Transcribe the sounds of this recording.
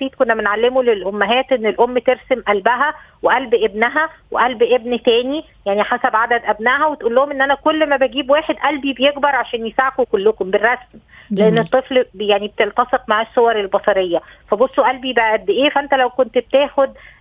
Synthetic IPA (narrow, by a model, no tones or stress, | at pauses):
iːt̪̚konːæbenʕalːemulelʔomːæɦæːt̪ʔenːelʔomːt̪eɾsemʔælbæɦæ | weʔælbʔebnæɦæweʔælbʔebnt̪æːni | jaʕniħasæbʕad̪æd̪ʔæbnæːɦæwet̪ʔulːohomʔenːʔænækolːmæbæɡiːbwæːħed̪ʔælbibejeɡbɑɾˤʕaʃæːnjesaʕkukolːokomberːɑsm | leʔenːet̪ˤːeflbjaʕnibet̪elt̪ɑseqmaʕæsːowɑɾˤelbɑsˤɑɾejːæfæbosˤːoʔælbibæʔæt̪̚beʔeːfæʔænt̪ælæwkont̪bet̪eːxod̪